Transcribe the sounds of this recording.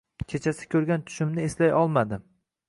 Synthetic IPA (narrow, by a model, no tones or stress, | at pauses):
kʰet͡ʃʰasɪ̥kʲʰɵɾɡʲant̪ʰʊ̥ʃɪmnɪeslajɒlˠmad̪ɪ